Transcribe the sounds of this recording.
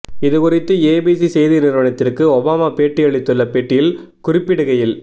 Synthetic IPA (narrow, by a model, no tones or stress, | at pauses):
ɪðɯkʊrɪt̪ːɯeːbisisɛjðinɪɾɯʋɐnɐt̪ːɪrkɯɔbaːmaːpeːʈːɪɐɭɪt̪ːɯlːɐpeːʈːɪjɪl | kʊrɪpːɪɽɯɣɐjɪl